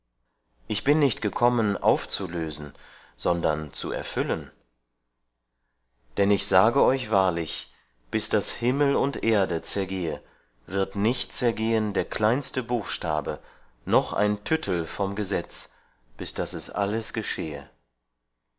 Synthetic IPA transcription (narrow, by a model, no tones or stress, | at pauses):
ʔɪçb̥ɪnːɪçtɡ̥əkʰɔmənʔa̰ʊft͡suløːzn̩ | z̥ɔndɐnt͡sṵɛ̰ɐfʏlən | d̥ɛnɪçz̥aːɡəɔʏçv̥aːɐlɪç | b̥ɪsd̥ashɪml̩ʊntʔeːɐdət͡sɛɐɡeːə | vɪɐtnɪçtt͡sɛɐɡeːəndeːɐkʰl̥aɪnstəbuːxʃta̰ːbə | nɔχʔa̰ɪntʰʏtʰl̩fɔmɡəzɛt͡s | b̥ɪsd̥asɛsʔa̰ləsɡ̥əʃeːə̰